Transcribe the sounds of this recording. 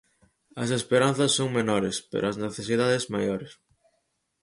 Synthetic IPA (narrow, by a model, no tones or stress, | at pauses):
ɐ̰s̬espeɾanθɐsːoŋmenɔɾespḛɾʊɐzneθesiðaðesmajoɾɪs